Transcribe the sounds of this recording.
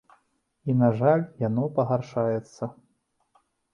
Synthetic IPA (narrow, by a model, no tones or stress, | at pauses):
inaʐalʲjanɔpɐɣarʂajɛt̪sːɐ